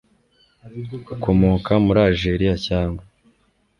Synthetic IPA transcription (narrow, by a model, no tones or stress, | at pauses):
ukʰo̞mo̞ːkʰamuɾaːlʒeɾijacaːŋɡwa